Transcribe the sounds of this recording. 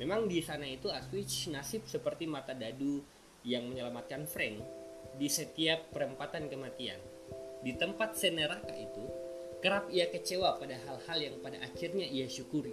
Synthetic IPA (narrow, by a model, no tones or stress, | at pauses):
memaŋdisanait̪uaswɪt͡ʃnasɪp̚səpərt̪imat̪adadu | jaŋməɲəlamat̪̚kanfɾɛŋ | disət̪iapːəɾəmpat̪ankəmat̪ia̰n | dit̪əmpat̪̚sənəɾaka̰it̪ukəɾapiakət͡ʃewapadaɦalhaljaŋpada̰ʔːkirɲaiaʃukuɾi